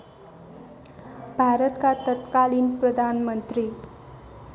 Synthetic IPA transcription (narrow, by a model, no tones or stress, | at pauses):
bʱaɾət̪kat̪ət̪kaliːnpɾəd̪ʱanmənt̪ɾiː